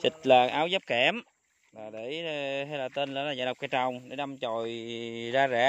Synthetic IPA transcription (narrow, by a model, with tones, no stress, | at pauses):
t͡ɕi˨˩t̚ləː˨˩ŋʔaː˨˦wzə˦˥p̚kɛ˧˩m | laː˨˩ɗe˧˩˧ha˧jlaː˨˩t̪e˧nlə̰ː˧˨˦laː˨˩aː˨˧˩ɗk͡p̚ka˧˩t͡ɕa˨˩wŋ͡mɗe˧˨˦ɗa˧mt͡ɕo˨˩˨jzaː˧zɛ˧˩